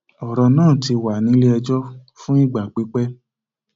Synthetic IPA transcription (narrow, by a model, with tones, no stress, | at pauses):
ɔ˨ɾɔ˧nãː˦˨ti˧wa˨nĩ˨˦le˦ɛ˧d͡ʒɔ˦ | fũ˦i˦˨ɡ͡ba˨k͡pi˨˦k͡pɛ˦